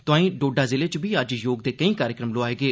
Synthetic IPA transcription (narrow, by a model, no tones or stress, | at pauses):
t̪ʊãːĩːɖoːɖaːzɪleːt͡ʃʋiːəd͡ʒjoːɡ̚d̪eːkəĩːkaːɾjɪkɾəmloaːeːɡeː